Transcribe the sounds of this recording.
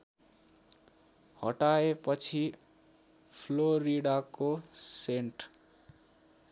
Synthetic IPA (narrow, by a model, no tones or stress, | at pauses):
hʌʈaepʌt͡sʰi | pʰloɾiɽakoseɳʈ